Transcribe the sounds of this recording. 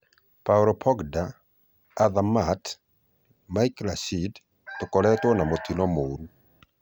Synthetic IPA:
paɾɔpʰɔɡdaː | ðamat | majklasid | tʊkɔlɛt̪wɔnamot̪inɔmoɾu

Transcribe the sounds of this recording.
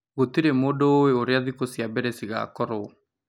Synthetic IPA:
ɣotiɾemoːdoːweoɾeaðikosjabɛɾɛsiɣa̰kɔɾɔ

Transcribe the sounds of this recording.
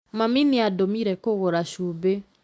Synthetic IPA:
maminiadomiɾɛkoɣoɾaʃuːbe

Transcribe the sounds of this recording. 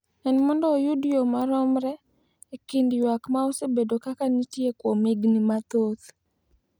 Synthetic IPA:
ɛnmɔndɔːjudjomaɾɔmɾɛː | kɪndjwakmaosebedokakanitjekwomiɡnimat̪ot̪

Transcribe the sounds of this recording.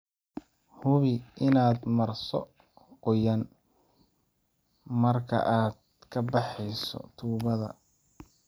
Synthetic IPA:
hʊβɪɪnaːd̪mɐrsɔ̰ | qɔjɐn | mɐrkʰɐ̰ʔaːd̪̚ | kʰɐbɑħɛjsɔ̰t̪ʰuːβɐðɐ̰

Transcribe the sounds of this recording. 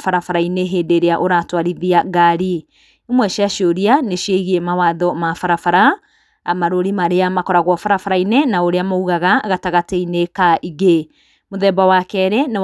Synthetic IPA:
faɾafaɾaineɦeːdeɾeaʔoɾatwaɾiðiaɡaɾi | emwɛʃiaʃoɾianeʃieɣiɛmawaːðɔmafaɾafaɾa | maɾoɾimaɾejamakɔɾaɣwɔfaɾafaɾainenaoɾeamouɣaɣaɣataɣateinekaʔiɣe | moðɛbawakɛɾɛne

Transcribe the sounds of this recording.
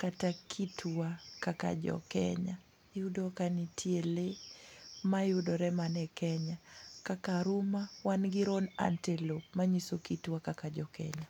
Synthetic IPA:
katakʰitʰuakaka̰d͡ʒɔ̰kɛ̰ɲa | judɔkanitʰiele | majudɔɾɛmanɛkɛɲakakaɾumawanɡiɾɔna̰ntelop̚maɲisokituakakad͡ʒɔkɛ̰ɲa

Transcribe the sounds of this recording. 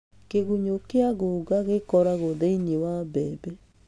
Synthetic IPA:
keɣuɲokeaɣoɣaɣekɔɾaɣoðeiɲewabɛbɛ

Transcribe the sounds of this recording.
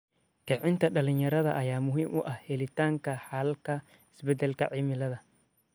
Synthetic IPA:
kʰɛʕɪnt̪ʰɐɖɐlɪɲjɐɾɐðɐʔɐjaːmʊɦiːmʔʊʔɐhhɛlɪt̪ʰaːŋkʰɐħɐlkʰɐ | ɪsbɛd̪ɛlkʰɐʕimɪlɐðɐ

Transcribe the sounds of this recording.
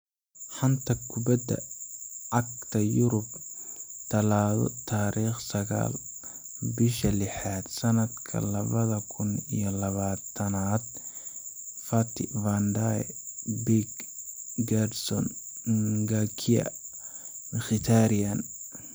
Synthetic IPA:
ħɑnt̪ʰɐkʰʊbɐd̪ɐ̰ʕɑɡt̪ʰɐjʊɾʊb | t̪ʰɐlaːðɔ̰t̪ʰaːɾʔiːχsɐɣa̰ːl | bɪʃɐlɪħaːd̪̥sɐnɐd̪kʰɐ̰lɐβɐðɐkʰʊnḭjɔlɐβaːt̪ʰɐnaːd̪̥̚ | fɐt̪ʰɪvand̪aɛ̰biɡɡadsɔ̰n | ɡakʰiɐ̰ | nxɪt̪ʰaːɾian

